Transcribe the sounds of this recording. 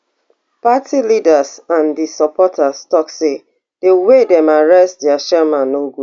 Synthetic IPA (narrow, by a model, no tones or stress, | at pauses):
patʰilidasãndisɔpɔtʰastɔkse | d̥ewedɛ̃maɹɛstdɛaʃɛmãnoɡu